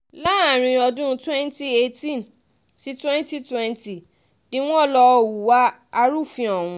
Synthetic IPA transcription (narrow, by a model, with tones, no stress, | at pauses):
la˦˨ɾ̃ĩ˧ɔ˧dũ˦˧twɛ̃˦n˦ti˦e˧tĩ˦n | si˦twɛ̃˦n˦ti˦twɛ̃˦nti˨ | nĩ˦w̃ɔ̃˦˨lɔ˧˨wu˨wa˦a˧ɾu˦˨fĩ˧ɔ˨w̃ũ˧